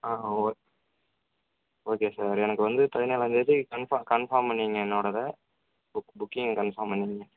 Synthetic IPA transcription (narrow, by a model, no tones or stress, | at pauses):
aːoː | oːkeːsaːɾɛnɐkːɯʋɐnd̪ɯt̪ɐðɪneːlɐ̃ːnd͡ʒɐt͡ʃːɯkɐɳfakɐɳfaːɾmpɐɳːiŋɡɐɪnːoːɽɐðɐ | bʊkbʊkːɪŋɡkɐɳfaːmpɐɳːɪŋɡɐ